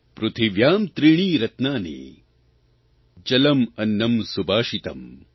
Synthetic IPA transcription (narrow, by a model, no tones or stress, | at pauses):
pɾut̪ʰiʋjaːmt̪ɾiːɳ̃iːɾɐt̪naːnḛː | d͡ʒɐlɐmɐnːɐmsubʱaːʃit̪ɐ̰m